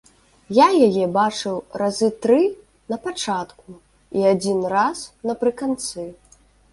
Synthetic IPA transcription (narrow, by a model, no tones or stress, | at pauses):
jajajɛbat͡ʂɨwrazɨt̪ɾɨ | nɐpat͡ʂat̪ku | iad͡zʲinrasnɐpɾɨkant̪sɨ